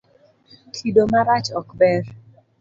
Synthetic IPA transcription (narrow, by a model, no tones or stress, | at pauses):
kʰidomaɾat͡ʃɔkbɛr